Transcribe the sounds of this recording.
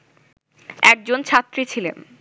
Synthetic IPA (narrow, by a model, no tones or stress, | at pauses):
ɛk̚d͡ʑont͡ɕʰat̪ːɾit͡ɕʰilḛn